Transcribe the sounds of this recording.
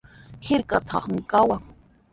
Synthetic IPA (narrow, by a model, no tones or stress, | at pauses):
hɪɾkat̪ʰɑ̰χmɪkawaŋ